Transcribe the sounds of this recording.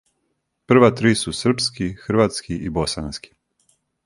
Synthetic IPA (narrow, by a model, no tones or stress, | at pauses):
pr̩ʋat̪ɾiːsusr̩pskixrɾʋat̪skiʔibo̞sa̰nski̥